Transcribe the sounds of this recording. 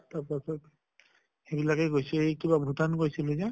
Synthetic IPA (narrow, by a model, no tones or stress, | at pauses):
taɹpasɔt | xebilakɛɡojsɛejkibabʱutankojsiluzɛ